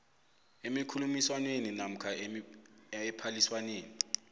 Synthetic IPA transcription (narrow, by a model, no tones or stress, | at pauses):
emikʰulumiswanweninam̩kʰa | ɛpʰaliswaneːni